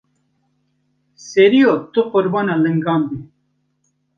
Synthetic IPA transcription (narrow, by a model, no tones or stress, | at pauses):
seɾijot̪uqʊɾbaːnaləŋɡaːmbi